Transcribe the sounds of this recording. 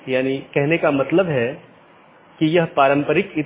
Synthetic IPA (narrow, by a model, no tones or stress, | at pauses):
jaːnikɛɦnekamɐt̪ləbɦɛ | kijɐɦpaːɾə̃mpəɾɪkɪt̪